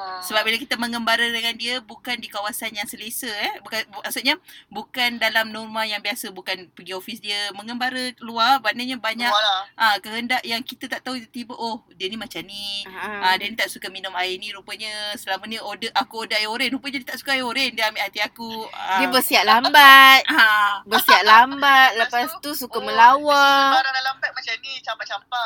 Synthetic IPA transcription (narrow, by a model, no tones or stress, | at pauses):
səbap̚bilakit̪əməŋəmbaɾədəŋandiəbukandikawasanjaŋsəlesəɛbukamaʔsuʔ̚ɲəbukandalamnɔrmãjaŋbiasəbukanpəɡiofisdiəməŋəmbaɾəkəluabanəɲəbaɲakakəɦəndaʔjaŋkit̪ət̪aʔt̪aɦuit̪ut̪ibəʔohdiənimat͡ʃaniadɛnĩt̪aʔsukaminʊmainiɾupəɲəsəlaməniodəʔakuodəʔajoɾɛnɾupəɲədiət̪aʔsu̥kaaioɾendiəamiʔhat̪iakuədiəbəsiaʔ̚lambat̪̚bərsiaʔ̪lambat̪̚ləpast̪usukaməlawaddalambat̪̚mat͡ʃanit͡ʃampat͡ʃampa